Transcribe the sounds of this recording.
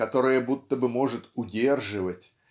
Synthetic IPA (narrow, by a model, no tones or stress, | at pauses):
at̪ɔɾɨjɐbut̪ːəbɨmɔʐɨt̪ʊdʲɛrʐɨvɐtʲ